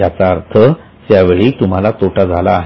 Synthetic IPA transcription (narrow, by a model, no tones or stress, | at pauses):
at͡saːɾt̪ʰə | t̪jaʋeɭiːt̪um̤alat̪oʈʰad͡zʱalaːɦ